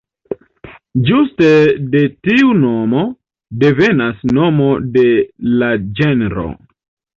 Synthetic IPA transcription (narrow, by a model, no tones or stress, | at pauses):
d͡ʒustede̞tiuno̞mo̞ | de̞ve̞nasno̞mo̞de̞lad͡ʒenɾo̰